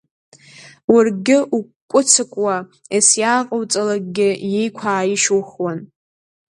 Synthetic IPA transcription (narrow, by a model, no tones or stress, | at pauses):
warɡʲɪʔu | kʷʼʊt͡sʰɨkʷʼwa | esjaːqʼawt͡sʼalaɡ̚ʼɡʲɪjejkʷʰaːjɪʃuχwan